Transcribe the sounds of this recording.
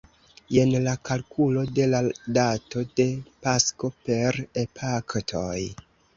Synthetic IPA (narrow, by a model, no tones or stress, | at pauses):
e̞nlakalkʰulo̞de̞ladato̞de̞pasko̞pe̞ɾepʰaktʰoj